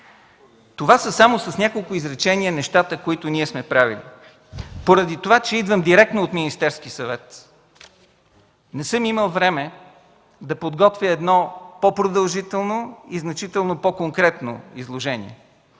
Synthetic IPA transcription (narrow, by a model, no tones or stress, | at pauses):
t̪ovasəsamosɐsnʲakolˠkʊizɾɛt͡ʃɛniənɛʃt̪at̪əkoit̪ʊniɛsmɛpɾavḭlḭ | poɾɐd̪it̪ovat͡ʃɛid̪vəmd̪iɾɛk̚t̪noot̪minist̪ɛɾsk̟isɐvɛt̪ | nɛsɤmiməlˠvɾɛmɛ | d̪ɐpod̪ɡɔt̪vʲjəɛd̪nɔpopɾod̪ɐlˠʒit̪ɛlˠnoiznɐt͡ʃit̪ɛlˠnopokoŋkɾɛt̪no̰izlˠoʒɛnḭɛ̰